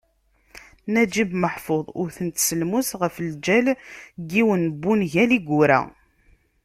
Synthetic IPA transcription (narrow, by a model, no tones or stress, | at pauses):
næd͡ʒibməħfoðˤʊɾθənt̪səlmusʁəfəld͡ʒælɡiwənbːunʝæliɡʷʊɾæ̰